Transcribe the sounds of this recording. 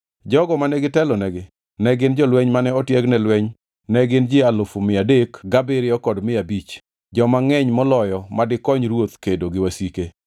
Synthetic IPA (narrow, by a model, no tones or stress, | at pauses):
d͡ʒɔɡɔmanɛɡɪtɛlɔnɛɡɪ | nɛɡɪnd͡ʒɔlwɛɲmanɛɔtjɛɡnɛlwɛɲ | nɛɡɪnd͡ʒɪalʊfumɪadekɡabɪɾɪɔkɔdmɪabit͡ʃ | d͡ʒɔmaŋɛɲmɔlɔjɔmadɪkɔɲɾwot̪kedoɡɪwasike